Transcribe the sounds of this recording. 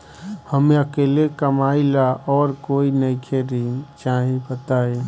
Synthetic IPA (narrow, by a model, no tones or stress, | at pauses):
həmeəkeːlekəmaːilaʔɔːɾkoːinəikʰeɾit͡ʃaɦĩbət̪aːe